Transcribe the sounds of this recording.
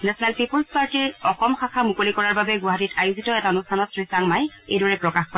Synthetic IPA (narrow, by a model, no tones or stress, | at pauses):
nɛsɔnɛlpipulspaɹtiɹɔxɔmxakʰamukolikɔɹaɹbabɛɡuɦatitajuzʱitɔɛtaɔnustʰanɔtsɹisaŋmajejdɔɹɛpɹɔkaxkɔ